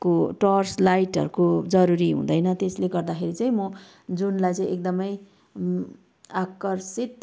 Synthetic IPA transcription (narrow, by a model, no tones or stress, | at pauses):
koʈʌrslajʈɦʌ̰ɾukod͡zʌɾuɾiɦṵ̃d̪ʌjnʌt̪esleɡʌrd̪axʰeɾit͡saĩmʌ | d͡zunlajt͡saĩek̚d̪ʌmʌj | akʌrsit̪